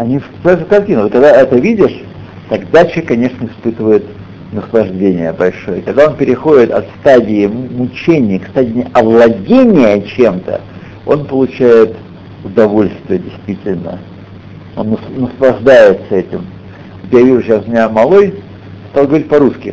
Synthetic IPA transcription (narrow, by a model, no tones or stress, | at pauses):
ɐnʲifssasʊkɐrtʲinəvot̪kɐɡd̪aɛt̪əvʲidʲɪʂ | t̪ɐɡd̪at͡ɕɪkɐnʲe̞ʂnəɪspɨt̪əvəjɪt̪ | nəslˠɐʐdʲenʲɪjəbɐlʲʂo̞jəkɐɡ̚d̪ao̞npʲɪɾʲɪxo̞dʲɪt̪ɐ̰t̪st̪adʲɪɪmʊt͡ɕenʲɪjkst̪adʲɪɪɐvlˠɐdʲenʲɪjət͡ɕe̞mt̪ə̰ | o̞̰npəlˠʊt͡ɕæjɪt̪ | ʊd̪ɐvo̞lʲst̪vʲɪjədʲɪjst̪vʲitʲɪlʲnə̰ | onːəsnəslˠɐʐd̪ajɪt̪səɛtʲɪm | ot̪javʲiʐʊɕasmʲɪnʲamɐlˠo̞j | st̪alˠɡəvɐɾʲit̚ʲpɐɾuskʲɪ